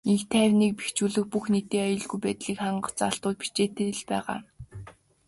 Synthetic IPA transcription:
iŋkt̪ʰæːwniːk̚pi̥xt͡ɕuːɮɘ̆k̚puxnet̪eːajɞ̆ɮɣujpæːt̪ɮiːkχaɴɢə̥̆t͡saɬt̪ʊːt̪̚pi̥t͡ɕeːt̪ĕɮpæːʁa̰ː

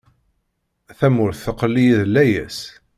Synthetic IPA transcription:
θæmʊɾθθəqːəlːijiðlːæjæ̰s

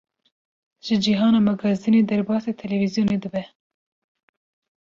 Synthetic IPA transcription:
ʒɨd͡ʒiɦɑːnɑːmɛɡɑzd̪ɨneːd̪ɛɾbɑːset̪ʰɛlɛvizijoːned̪ɨbɛ

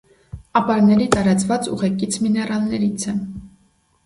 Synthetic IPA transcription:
ɑpɑɾnɛɾit̪ɑɾɑt͡svɑt͡sṵʁɛkit͡sʰminɛrɑlnɛɾit͡sʰɛ

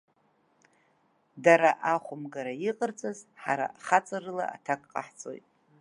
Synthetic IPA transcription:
daɾaʔaχʷʊmɡaɾaiqʼərt͡sʼazħaɾa̰χat͡sʼarɨla̰a̰tʰakʼqʼa̰ħt͡sʼo̞̰jtʼ

